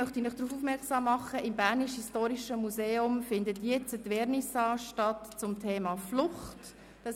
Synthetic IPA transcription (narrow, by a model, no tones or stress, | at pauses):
œχtinɪχd̥ɾuːfufmɛksɑːmːɑχəʔɪmbæːɾniʃhistoːɾiʃəmuseːʊmfɪndətiɛt͡sədʋɛːɾnisɑːʃtɑtt͡sʊmtʰeːmɑːflʊχt | d̥ɑ